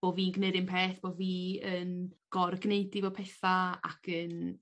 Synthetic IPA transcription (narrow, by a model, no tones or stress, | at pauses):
b̥oːviːnɡnɪɾɪmpʰeːθb̥oviːənɡ̥ɔrɡneɨdivɛwpʰɛθaa̰kʰən